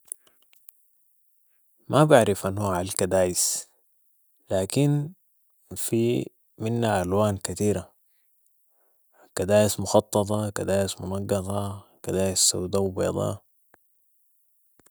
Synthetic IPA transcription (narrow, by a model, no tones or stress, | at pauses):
mabaʕɾifʔanːhuʕalkad̪aːjis | laːkin | fi | minːaʔalwaːnkat̪iːɾa | kad̪aːjismʊxɑt̪ˤːɑt̪̬ˤɑkad̪aːjismʊnɑɡːɑt̪ˤɑkad̪aːjisːawd̪awbḛd̪ˤɑ̰